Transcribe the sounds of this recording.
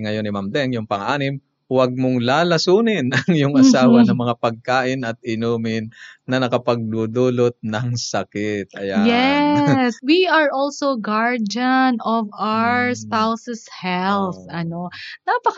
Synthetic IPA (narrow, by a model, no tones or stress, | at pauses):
ŋɐjo̞nːɪmamd̪ɛŋjʊŋpɐŋʔaːnɪm | wɐɡ̚mʊŋlaːlɐsuːnɪnʔɐŋjʊŋɐsaːwɐnɐŋmɐŋapɐɡ̚kaːʔɪnɐt̪̚ʔɪnuːmɪnːɐnɐkɐpɐɡ̚d̪uːd̪uːlot̪̚nɐŋsɐkɪt̪ʔɐ̰jajɛswiɐɹʔɔlsowɡaɹdɐnɔvawɹspawsɛshɛlθɐnonapɐk